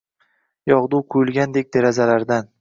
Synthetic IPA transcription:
jɒʁd̪uwqʰuʊjʊlˠɡʲand̪e̞k̚ʲd̪eɾazalaɾd̪an

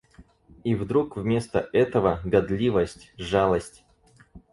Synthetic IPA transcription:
ivd̪ɾukvmʲe̞st̪əɛt̪əvəɡɐd̪lʲivəsʲtʲʐalˠəsʲtʲ

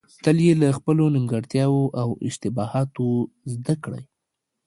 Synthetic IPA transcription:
t̪əljelaxpəlonɪmɡaɾt̪jɑwoʔawɪ̰ʃt̪ɪbɑhɑt̪o | zd̪akɽa̰j

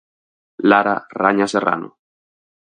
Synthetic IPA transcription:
laɾaraɲasera̰no̰

